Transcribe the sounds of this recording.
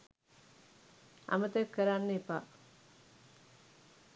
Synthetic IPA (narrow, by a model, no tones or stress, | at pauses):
a̰mət̪əkːəɾanːəipa